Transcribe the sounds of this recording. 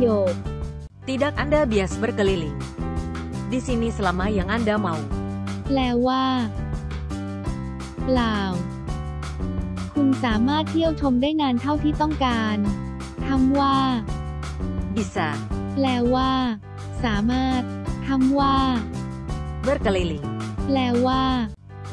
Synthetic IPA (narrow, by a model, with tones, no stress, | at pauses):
joː˨˩k̚ | t̪i˧da˦˩k̚ʔa˧nda˥˩bi˨a˨˩sbə˦˥˩ka˧li˧˦li˨˦ | di˧˦si˧ni˧˥sə˨la˨˦ma˧˥ja˨˦ŋʔa˧˥nda˧ma˨˧wplɛː˧wːaː˥˩ | plaː˧˩w | kʰu˧nsaː˩˦maː˥˩t̪̚ʰːi˥˩əw̚t͡ɕʰo˧mdaː˥˩jŋaː˧nt̪ʰa˥˩wt̪ʰiː˥˩t̪ɔ˥˩ŋkaː˧n | t̪ʰa˦˥mwaː˥˩ | bi˧˩saː˧˩lɛː˧˥wːaː˥˩ | saː˩˦maː˥˩t̪̚ʰːa˦˥mwaː˥˩ | bɯ˦˥˩ka˧li˧li˨˩˦ŋlɛː˧˥wːaː˥˩